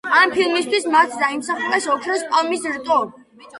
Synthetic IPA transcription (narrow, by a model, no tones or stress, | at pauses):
ampʰilˠmist̪ʰwismat̪ʰd̪aimsaχuɾɛsɔkʰɾɛspʼɔmisɾt̪ʼɔ